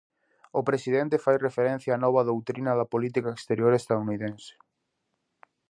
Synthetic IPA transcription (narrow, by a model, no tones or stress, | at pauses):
ʊpɾesiðɛnt̪efajrefeɾẽn̟θjaaːnɔβɐðowt̪ɾinɐðɐpolit̪ikaekst̪eɾjoɾest̪aðuniðẽnse̥